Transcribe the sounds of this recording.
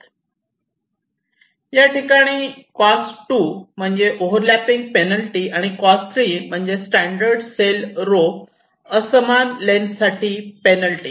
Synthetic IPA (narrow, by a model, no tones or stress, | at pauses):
jaʈikaɽ̃iːkɔsʈum̤əɳd͡zeʔoɦəɾlapiŋɡ̚penəlʈiaɽ̃ikɔst̪ʰɾiːm̤əɳd͡zesʈæɳɖəɾɖselɾo | əsəmanlensaʈʰiːpenəlʈiː